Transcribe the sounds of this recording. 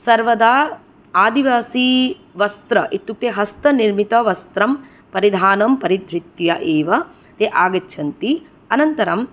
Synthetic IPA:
sɐɾʋɐd̪aː | aːd̪iʋaːsi | ʋɐst̪ɾɐʔit̪ːuk̚t̪eɦɐst̪ɐniɾmit̪ɐʋɐst̪ɾɐm | pɐɾid̪ʱaːnɐmpɐɾid̪ʱɾit̪jɐʔeːʋɐ | t̪eʔaːɡɐtːʃʰɐnt̪i | ɐnɐnt̪ɐɾɐm

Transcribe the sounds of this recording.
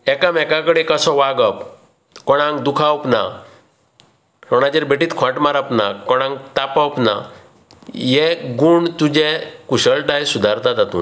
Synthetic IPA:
ɛkamɛkãkəɽekəsɔʋaɡəp | kɔɽ̃ãŋɡd̪ukʰawpna | ɾɔɽ̃ad͡ʑeɾbeʈiːt̪kʰãʈmaɾapnakɔɽ̃ãŋt̪apawpna | jeɡuɳɖt̪ud͡ʑekuɕəɭʈajsud̪ʱaɾt̪ad͡z̪at̪ṵːn

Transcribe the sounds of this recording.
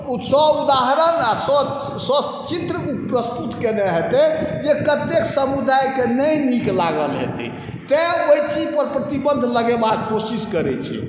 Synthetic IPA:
usɔud̪aɦəɾənasɔ | sɔ | t͡ʃit̪ɾəupɾəst̪ut̪keneɦet̪ɛjekət̪eksəmud̪ʱajkenəjniklaɡəlɦḛt̪ḭ | t̪ɛ̃oijt͡ʃid͡ʒpəɾpɾət̪ibənd̪ʱləɡebaɡ̚kosiskəɾɛ̰t͡ʃʰḭ

